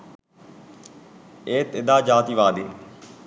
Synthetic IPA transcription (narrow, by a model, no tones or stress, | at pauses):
eːt̪ɪd̪aːd͡ʒaːt̪iːʋaːd̪eː